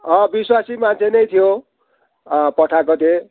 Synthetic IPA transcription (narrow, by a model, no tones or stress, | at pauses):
ʌ̃biswasimant͡sʰenʌjt̪ʰijo | pʌʈʰakot̪e